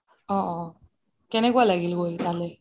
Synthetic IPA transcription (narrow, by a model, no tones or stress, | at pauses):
ɔ̃ʔɔ̃ | kɛnɛkualaɡilɡojt̪alɛ